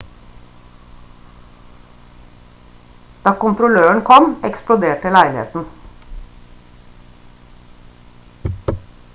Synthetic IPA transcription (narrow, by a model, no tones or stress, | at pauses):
d̪̥ɑːkʊnt̪ɾʊløːəɳkʰɔmɛksplʊd̪eːʈ̚ʈɪlæɪlɪhḛːt̪n̩